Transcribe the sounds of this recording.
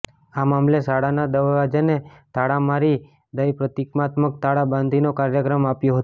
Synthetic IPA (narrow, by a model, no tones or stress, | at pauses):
amamlesaɽanad̪əʋʋad͡ʒanet̪ʰaɽamaɾi | d̪əjpɾət̪ikmat̪mək̚t̪ʰaɽabãnd̪ʱinokaɾjəkɾəmapjoɦət̪